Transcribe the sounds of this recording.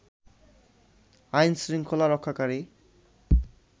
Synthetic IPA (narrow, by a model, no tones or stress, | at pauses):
ajnsɾiŋkʰolaɾɔkʰːakaɾi